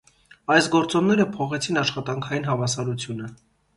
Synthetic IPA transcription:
ɑjsɡɔɾt͡sɔnnɛɾəpʰɔχɛt͡sʰinɑʃχɑt̪ɑŋkʰɑjinɦɑvɑsɑɾut͡sʰjunə

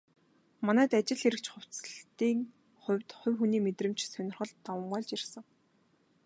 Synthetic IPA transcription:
manæːt̪at͡ɕɪ̆ɮxeɾɘ̆kt͡ɕχʊw̥ʲt͡sɮt̪iːŋ | χʊ̟wʲt̪χʊ̟wʲxuniːmet̪rɘ̆m̥t͡ɕsœnʲɪ̆rχɞ̆ɮt̪ːɔmɢɔːɮt͡ɕirsə̆ŋ

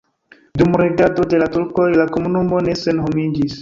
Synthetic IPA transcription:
dumɾeɡado̞de̞latuɾko̞jlakomunumo̞ne̞se̞nɦo̞mid͡ʒis

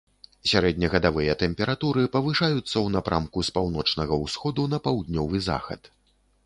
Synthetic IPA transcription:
sʲaɾɛd̪ʲnʲɐɣɐd̪avɨjɐt̪ɛmpʲɛɾat̪uɾɨpɐvɨʂajut̪sːɐwnapɾʔamkuspawn̪ɔt͡ʂnɐɣɐwsxɔd̪unɐpawd̪nʲɔvɨza̰xɐ̰t̪

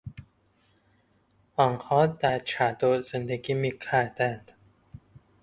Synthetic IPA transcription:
ɒnhɒːd̪æɾt͡ʃʰæd̪ozend̪eɡiːmiːkʰæɾd̪ænd̪̥

